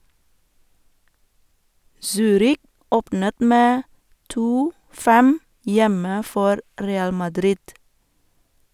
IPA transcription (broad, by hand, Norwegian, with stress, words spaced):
ˈsyːɾɪk ˈoːpnət ˈmeː ˈtuː ˈfɛm ˈjɛmə ˈfɔɾ ˈɾeːɑl mɑˈdɾɪd